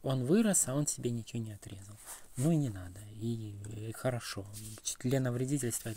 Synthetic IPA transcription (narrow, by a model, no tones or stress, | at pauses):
o̞nvɨɾəsɐo̞nsʲɪbʲenʲɪt͡ɕɪnʲɪɐt̪ɾʲezəlˠnuinʲɪnad̪əixəɾɐʂo̞t͡ɕt̪ʲlʲenəvɾʲɪdʲitʲɪlʲst̪və